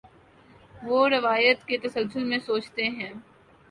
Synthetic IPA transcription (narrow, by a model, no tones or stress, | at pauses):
ʋoːɾɪʋaːjət̪ket̪ɐsəlsʊlmẽsoːt͡ʃt̪eɦɛ̃ː